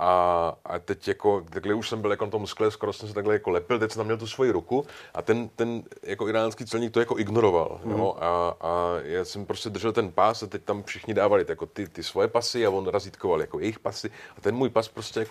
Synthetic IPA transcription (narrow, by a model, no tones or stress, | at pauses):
ʔaʔa̰t̪ɛcjako̞t̪aɡlɛuʃsɛmbɪljako̞nat̪o̞msklɛskoɾosɛms̬ɛt̪aɡlɛjako̞lɛpɪlt̪ɛc̚sɛnt̪amɲɛlt̪usvo̞jiɾukuʔa̰t̪ɛnt̪ɛnjakoɪɾaːnskiːt͡sɛlɲiːk̚t̪ojako̞ʔɪɡno̞ɾo̞va̰ljjo̰ʔaajaːsɛmpɾoscɛd̪r̩ʒɛlt̪ɛnpasat̪ɛc̚t̪amfʃɪxɲɪdaːvalɪjako̞t̪ɪt̪ɪsvojɛpasɪavo̞nɾaziːt̪ko̞valja̰ko̞jɛjɪxpasɪat̪ɛnmuːjpaspɾoscɛjak